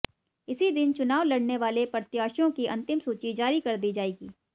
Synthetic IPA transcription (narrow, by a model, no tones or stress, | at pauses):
ɪsid̪ɪnt͡ʃʊnaːʋlɐɽneʋaːlepɾɐt̪jaːʃjõkiʔɐ̃nt̪ɪmsuːt͡ʃid͡ʒaːɾikɐɾd̪iːd͡ʒaːeːɡiː